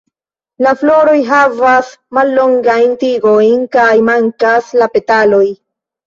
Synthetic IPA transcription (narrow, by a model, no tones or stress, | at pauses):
laflo̞ɾo̞jɦavasmalːo̞ŋɡajntiɡo̞jnkajmaŋkaslape̞talo̞j